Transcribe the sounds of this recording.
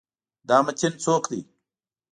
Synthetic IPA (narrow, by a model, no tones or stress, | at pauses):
d̪aːmɐt͡ɕint͡soːkd̪ḭː